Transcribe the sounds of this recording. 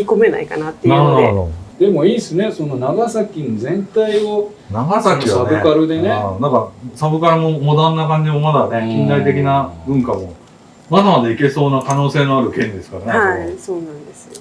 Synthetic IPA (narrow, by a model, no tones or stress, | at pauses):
iko̞me̞na̰ikanat̪ːeanad̪od̪̥e̞mo̞iːsɨne̞so̞no̞naɡasakʲinozẽ̞nt̪aio̞ | naɡasakʲiabɯ̟kaɾɯ̟d̪e̞nenakaɾsabɯ̟kaɾɯmo̞mo̞d̪ãnːakãɲ̟d͡ʑimomad̪ane̞kʲĩnd̪ait̪e̞kʲinabɯ̟̃ŋkamo̞ | mad̪amad̪aike̞so̞ːnakano̞ːse̞ːnoaɾɯ̟kẽ̞nd̪e̞sɨ̥kaɾaneasoːnãnd̪esɨ̥